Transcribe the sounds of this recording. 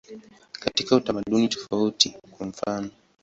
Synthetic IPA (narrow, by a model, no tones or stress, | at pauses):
katikautamaɗunitɔ̥fautikwaɱ̩fanɔ